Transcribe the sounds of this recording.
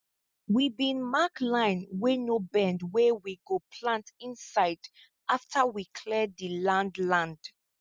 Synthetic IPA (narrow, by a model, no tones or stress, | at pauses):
wibĩnmaklãɪ̃nwenobɛ̃ndwɛwiɡopʰlãntĩnsaɪd | aftʰawikʰlɛdðilãndlãnd̥